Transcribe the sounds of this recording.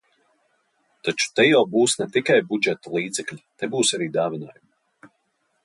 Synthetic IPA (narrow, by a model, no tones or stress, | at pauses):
t̪at͡ʃu̥t̪ɛjawbuːsnɛt̪ikajbud͡ʒɛt̪ɔlˠiːd̪zɛkʎʲinɛbuːsaɾiːd̪aːvʲinaːjum